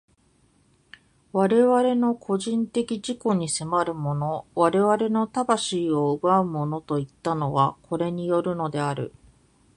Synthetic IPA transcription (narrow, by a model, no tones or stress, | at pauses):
βaɾe̞βaɾe̞no̞kʰo̞ʑĩnt̪e̞kʲiʑiko̞ɲ̟ise̞maɾɯ̟mo̞no̞βaɾe̞βaɾe̞no̞t̪abaɕiːo̞ɯɡaɯ̟mo̞no̞t̪o̞it̪ːano̞βakʰo̞ɾe̞ɲ̟ijo̞ɾɯ̟no̞d̪e̞aɾɯ̟̰